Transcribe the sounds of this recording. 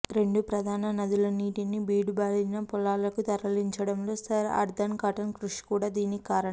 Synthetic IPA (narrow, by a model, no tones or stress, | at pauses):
ɾe̞ɳɖupɾɐd̪ʱaːnɐnɐd̪ilɐniːʈinibiːɽubaːɾinɐpɔlːaːlɐkut̪ɐɾɐliɲt͡ʃɐɽɐmlo̞ːsɐɾɐ̰ɾd̪ɐnkɐʈɐnkɾuʂi̥kuːɽaːd̪iːnikaːɾɐɳɐm